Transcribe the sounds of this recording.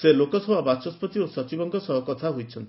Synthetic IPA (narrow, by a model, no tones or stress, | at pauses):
selokɔsɔbʱabat͡ʃɔspɔt̪iosɔt͡ʃibɔŋɡɔsɔɦɔkɔt̪ʰaɦojt͡ʃʰɔnt̪i̥